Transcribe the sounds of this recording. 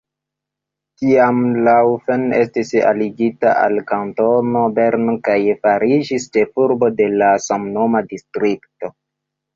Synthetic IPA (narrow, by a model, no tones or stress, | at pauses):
kiamlawfene̞stisa̰liɡitaʔa̰lkanto̞no̞be̞ɾnokajfaɾid͡ʒist͡ʃe̞fuɾbo̞de̞lasamno̞madistɾikto̞